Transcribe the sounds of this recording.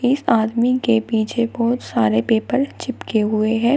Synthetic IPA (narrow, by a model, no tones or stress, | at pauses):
ɪsaːd̪mikepiːt͡ʃʰebɔːt̪saːɾepeːpəɾt͡ʃɪpkeɦʊeɦɛ̃ː